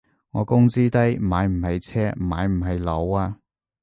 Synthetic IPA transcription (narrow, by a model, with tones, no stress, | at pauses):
ŋɔː˨˧kʊ˥ŋt͡siː˥t̪ɐ˥jmaː˨˧jm̩˨˩hɐ˨jt͡sʰɛː˥˨maː˨˧jm̩˨˩ɦɐ˨jlo˨˧waː˧